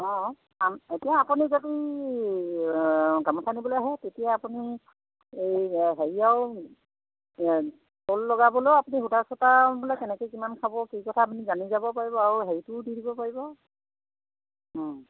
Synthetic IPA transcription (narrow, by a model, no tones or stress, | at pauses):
ɔ̃ | ametijaːpunizadi | ɡamɔsʰanibɔloaɦɛtetijaːpuni | ejɦeɹiaʊ | tolːɔɡabɔloapuniɦutasɔtabɔlɔjkɛnɛkojkimankʰabɔkikɔtʰaːpunizanizabɔpaɹibɔaɹuɦeɹitʊdidibɔpaɹibɔ